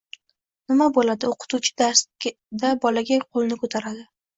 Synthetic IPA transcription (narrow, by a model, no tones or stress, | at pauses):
nɪmabolad̪ɪoqʰɨ̥t̪ʰut͡ʃʰɪ̥d̪aɾsʲ | d̪abɒlaɡʲaqʰolˠnɪkʰot̪ʰaɾad̪ɪ